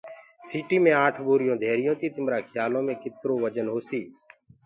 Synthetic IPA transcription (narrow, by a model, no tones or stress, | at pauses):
siːʈiːmẽːaːʈʰboːɾɪjõːd̪ʱeːɾɪjõːt̪iːt̪ɪmɾãːkʰɪjaːlõːmẽːkɪt̪ɾoːʋəd͡ʒənɦoːsiː